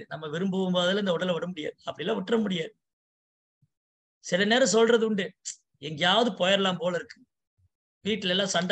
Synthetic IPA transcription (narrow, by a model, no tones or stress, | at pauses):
nɐmːɐʋɪɾɯmbɯʋɯmboːðɐlɐɪndɐʊɽɐlʋɐɽɐmʊɽɪja̰ːðɯɐpːɐɽɪlːãːʋʊʈːrɐmʊɽɪjaːðɯ | sɪlɐneːɾɐ̃s̬ɔlrɐðɯɳɖɯ | ɛŋɡɐjaːʋɐðɯpɔjɐɾɛlaːmpoːlɐɪɾɯkːɯ̥ | ʋiːʈːɪlɛlːãːsɐɳɖ